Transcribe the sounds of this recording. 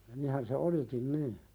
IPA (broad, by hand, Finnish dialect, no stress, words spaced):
nihæn se olikin niː